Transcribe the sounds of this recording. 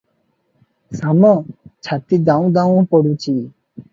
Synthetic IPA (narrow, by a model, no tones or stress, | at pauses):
samɔ̃t͡ʃʰat̪id̪ãũd̪ãw̃pɔɽut͡ʃʰi